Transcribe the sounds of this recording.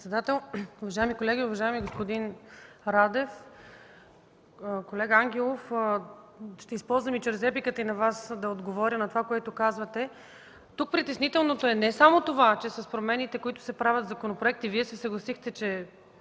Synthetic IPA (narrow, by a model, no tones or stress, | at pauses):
t̪sɛd̪at̪ɛlˠʊvɐʒaɛmikolɛɡʲiʊvɐʒaɛmiɡospod̪inɾad̪ɛf | kolɛɡəaŋɡʲɛlˠof | ʃt̪ɛispɔlˠzvɐmit͡ʃɾɛzɛpikət̪əinɐvasd̪ɐod̪ɡovɔɾʲənɐt̪ovakoɛt̪ʊkazvɐt̪ɛ | t̪uk̚pɾit̪ɛsnit̪ɛlˠnot̪oɛnɛsamot̪ovat͡ʃɛsɐspɾomɛnit̪ɛkoit̪ʊ̥sɛpɾavʲɐt̪zɐkonopɾoɛk̚t̪iviɛsɛsɐɡlˠɐsixt̪ɛt͡ʃɛ